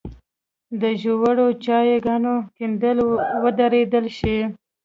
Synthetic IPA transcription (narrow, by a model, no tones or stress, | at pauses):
d̪əʒowaɽot͡ʃɑjeɡanokind̪əlwəd̪aɾed̪əlʃi